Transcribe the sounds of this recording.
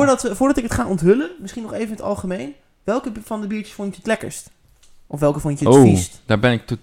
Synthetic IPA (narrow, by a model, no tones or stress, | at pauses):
ɹdtəfʊːɹdɑtɪkətχaːʔɔntɦɵlənmɪsχinɔχejvənətɑ̰lˠχəmejn | ʋɛlˠkəfɑndəbiːɹtə̥sfʊntəətlɛkə̰ɹst | ʔɔfʋɛlˠkəfʊntəoistd̥aːɹbɛnɪk̚to